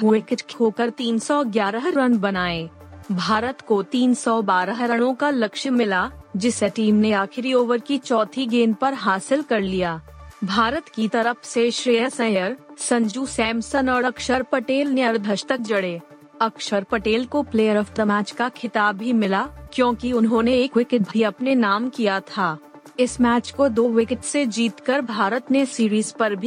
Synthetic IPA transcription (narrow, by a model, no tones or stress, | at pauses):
ɦuekʈkʰɦoːkəɾt̪iːnsɔɡjaːɾəɦɾənbɐnaːe | bʱaːɾət̪kot̪iːnsɔbaːɾəɦɾəɽ̃õkalɐkʃəmɪlaːd͡ʒɪseʈiːmneaːxʰɪɾioːʋəɾkit͡ʃɔːt̪ʰiɡeːnpɐɾɦaːsɪlkɐɾlijaːbʱaːɾət̪kit̪ɐɾəpʰseʃɾeːjəsɛ̃jəɾsɐ̃ɲd͡ʒuːsɛ̃ːmsənɔːɾɐkʃəɾpɐʈeːlneɐɾd̪ʱɐʃt̪ək̚d͡ʒɐɽeː | ɐkʃəɾpɐʈeːlkopleːjəɾɔfʈəmæːt͡ʃkakʰɪt̪aːbːimɪlaːkjõːkiʊnɦõːneeːkʋɪkɪʈbʱiɐpnenaːmkijat̪ʰaː | ɪsmæːt͡ʃkod̪oːʋɪkɪʈsed͡ʒiːt̪kɐɾbʱaːɾət̪nesiːɾiːzpɐɾbʱi